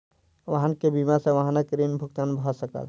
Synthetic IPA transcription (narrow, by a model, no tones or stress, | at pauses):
ʋəɦankebimasẽʋəɦãnakɾinbʱuk̚t̪anbʱɔsəkə̰l